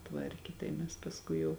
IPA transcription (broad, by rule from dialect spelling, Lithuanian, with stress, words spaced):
ˈtʋɐrʲkʲeː tɐɪ ˈmʲɛs pɐsˈkʊɪ jɛʊ